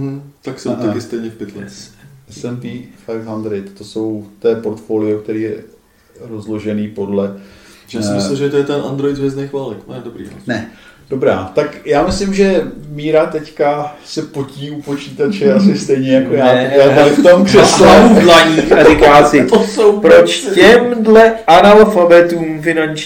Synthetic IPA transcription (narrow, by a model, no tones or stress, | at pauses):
m̩t̪aksɛmt̪ɛkɪst̪ɛjɲɛfpɛt̪lɛɛsɛnp̪iːfat̪ɦand̪ɾɪjt̪t̪oso̞wt̪ɛːpo̞ɾt̪fo̞ːlɪokt̪ɛɾiːjɛ | ɾo̞zlo̞ʒɛniːpo̞dlɛjasɪmɪslmʒɛt̪ojɛt̪ɛnʔand̪ɾoɪd̪vjɛznejxvaːlɛknoɛdobɾḭa̰snɛd̥o̞bɾa̰ːt̪akjaːmɪslɪmʒɛmiːɾat̪ɛckasɛpociːupo̞t͡ʃiːt̪at͡ʃɛʔasɪst̪ɛjɲɛjako̞jaːjaːt̪aɾɪft̪omprɛslaulaɲiːxaɾɪkaːsɪt̪osowpɾot͡ʃcɛmdlɛʔanalfabɛt̪uːmfɪnant͡ʃ